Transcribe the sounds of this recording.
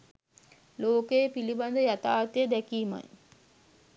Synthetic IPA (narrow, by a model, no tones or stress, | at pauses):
loːkəjepiliband̪əjat̪aːt̪əjəd̪ækiːma̰j